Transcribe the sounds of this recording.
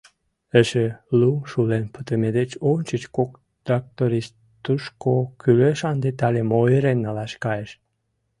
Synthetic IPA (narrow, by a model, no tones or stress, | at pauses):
əʃeluʃulenpət̪əmed̪et͡ɕont͡ɕət͡ɕkok | d̪ak̚t̪oɾis | t̪uʃkokyløʃɑnd̪et̪ɑlemoəɾenːɑlɑʃkɑjeʃ